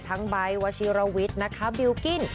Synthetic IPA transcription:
t̪ʰa˦˥ŋba˧jwaː˧siː˧˥ɾa˧wi˦˥t̪̚na˦˥kʰa˦˥bi˧wki˥˩n

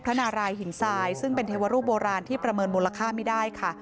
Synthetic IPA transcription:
pʰɾa˦˥naː˧ɾaː˧jhi˨˩˦nsaː˧jsɯ˥˩ŋpe˧nt̪ʰeː˧wa˧ɾuː˥˩p̚boː˧ɾaː˧nt̪ʰiː˥˩pɾa˧mɤː˧nmuː˧lːa˧kʰaː˥˩ma˥˩daː˥˩jkʰa˥˩

